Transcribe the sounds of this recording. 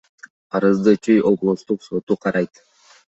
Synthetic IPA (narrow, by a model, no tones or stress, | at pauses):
ɑɾɯzd̪ɯt͡ʃʰyjʔo̞blˠoʃt̪uqso̞t̪uqʰɑɾɑjt̪